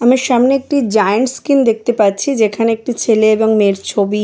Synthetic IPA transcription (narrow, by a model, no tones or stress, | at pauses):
amaʃamneek̚ʈid͡ʑajeɳʈskind̪ek̚t̪epaɾt͡ɕʰid͡ʑekʰaneek̚ʈit͡ɕʰeleeboŋmeɾt͡ɕʰobi